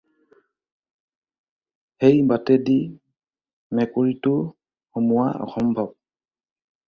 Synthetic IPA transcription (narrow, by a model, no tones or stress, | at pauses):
xejbatɛdi | mɛkoɹitʊ | xomʊwaɔ̰xɔmbʱɔb̚